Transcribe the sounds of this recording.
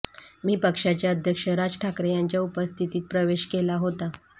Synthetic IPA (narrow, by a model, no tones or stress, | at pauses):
miːpəkʂat͡ɕjaəd̪ʱjəkʂəɾad͡zʈʰakɾejaɲt͡ɕjaupəst̪ʰit̪iːt̪̚pɾəʋeɕkelaɦot̪a